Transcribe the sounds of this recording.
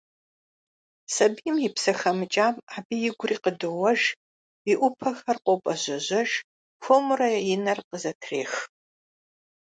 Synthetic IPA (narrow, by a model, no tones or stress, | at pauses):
sɐbijmjɪpsɐxɐmɨt͡ʃʼaːmaːbiːjɪɡʷʊriːqədɨwɐʒ | iʔʷʊpʰɐxɐrqʷʼopʼɐʑɐʑɐʒ | xʷomʊrɐjɪnɐrqəzɐtʰreːx